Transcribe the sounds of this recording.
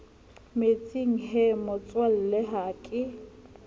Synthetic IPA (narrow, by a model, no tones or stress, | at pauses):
met͡sʼiŋ̩ɦemʊt͡sʼwal̩lɛɦaːkʼɪ